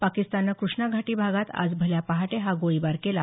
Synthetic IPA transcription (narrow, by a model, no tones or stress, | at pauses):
pakist̪anːakɾuʂɳaɡʱaʈiːbʱaɡat̪a̰d͡zbʱəljapaɦaʈeɦaɡoibaɾkela